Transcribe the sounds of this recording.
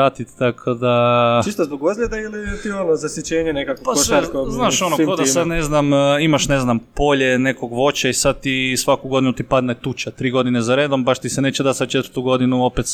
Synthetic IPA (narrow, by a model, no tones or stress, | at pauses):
at̪it̪t̪akʰod̪at͡ʃist̪ozboɡozlʎʲed̪ailit̪ionozasjet͡ɕeːɲenekakopasoʃʋeoznaːʃonood̪asad̪neznamimaʃneznampo̞ʎe̞ne̞koɡʋo̞t͡ʃaisad̪̚t̪isʋakuɡo̞d̪inut̪ipad̪net̪ut͡ʃat̪ɾiːɡo̞d̪inezaɾe̞ːd̪o̞mbaʃt̪isene̞ːt͡ɕed̪at̪sad̪̚t͡ʃe̞t̪vɾt̪uɡo̞d̪inuo̞pet̪s